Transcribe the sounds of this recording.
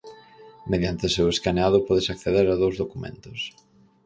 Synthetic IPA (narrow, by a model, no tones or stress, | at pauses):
meðjant̪ɪseweskaneaðʊpɔðɪsakθeðeɾaðowzðokumḛ̃nt̪ʊs